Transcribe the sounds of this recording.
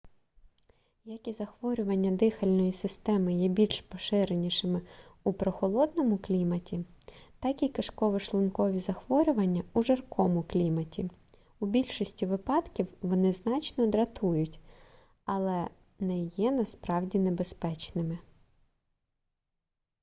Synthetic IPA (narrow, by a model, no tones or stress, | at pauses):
jɐkizɐxʋɔɾʲʊʋɐnʲːɐd̪ɪxɐlʲnɔjisɪst̪ɛmɪjɛbʲilʲʃpɔʃɪɾenʲiʃɪmɪupɾɔxɔlˠɔd̪nɔmʊklʲimɐtʲit̪ɑkikɐʃkɔʋɪʃlˠʊnkɔʋʲizɐxʋɔɾʲʊʋɐnʲːɐuʒɐrkɔmʊklʲimɐtʲi | ubʲilʲʃɔsʲtʲiʋɪpɑd̪kʲiwʋɔnɪznɑt͡ʃnɔd̪ɾɐt̪ʰujʊtʲ | ɐlˠɛ | nɛjɛnɐspɾɑwdʲinebespɛt͡ʃnɪmɪ